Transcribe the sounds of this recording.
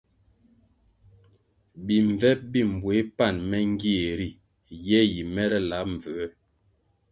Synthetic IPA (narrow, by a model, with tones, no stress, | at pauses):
bi˨ɱ˨vɛ˦p̚bi˦˨m̩˨bwe˨˦pa˦˨nmɛ˦ŋ˦ɡi˦e˨ɾi˦˨ | jɛ˦ji˨mɛ˦lɛ˦la˨˦ɱ̩˨və˨ɛ˦